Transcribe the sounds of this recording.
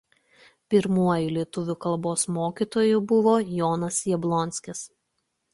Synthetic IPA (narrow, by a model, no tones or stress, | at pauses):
pʲɪɾmuɔjʊlʲiɛt̪ʊʋʲʊkɐlˠboːsmoːkʲit̪oːjʊbʊʋoːjɔːnɐsjɛblˠɔnʲsʲkʲɪs